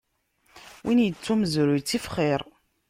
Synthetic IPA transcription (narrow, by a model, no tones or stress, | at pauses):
wʔinjət͡sːuməzɾujt͡sːifχiɾˤ